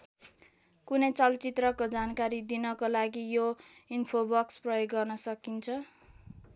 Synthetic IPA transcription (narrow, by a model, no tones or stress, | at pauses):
kunʌjt͡sʌlt͡sit̪rʌkod͡zankaɾid̪inʌkolaɡijoinpʰobʌksprʌjoɡːʌrnʌsʌkint͡sʰʌ